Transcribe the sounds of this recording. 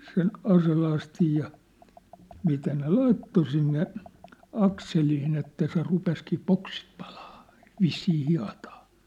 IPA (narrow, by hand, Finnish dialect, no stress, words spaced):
sen ɑselɑstij jɑ mitæ ne lɑitːo sinːe ɑkseliːn etːæ se rupeskiː poksit pɑ̥l̥ɑ̥ː ʋisːiː hiɑ̝tɑ̥ː